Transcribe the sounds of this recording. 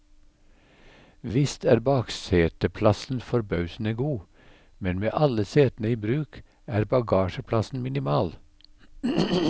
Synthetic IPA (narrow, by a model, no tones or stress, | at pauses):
ʋɪst̪ʰæːɾbɑːkseːt̪əpʰlɑsn̩fɔɾbɑʉsn̩əɡuː | mɛnmḛːʔɑləseːt̪n̩əiːbɾʉːk | æːɾbɑɡɑːʃəpʰlɑsn̩mɪnɪmɑːl